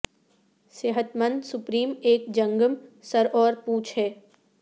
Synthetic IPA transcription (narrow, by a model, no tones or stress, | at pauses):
seɦət̪mə̃nd̪sʊpɾiːmeːkd͡ʒɐ̃ŋɡəmsɐɾʔɔːɾpuːt͡ʃʰɦɛː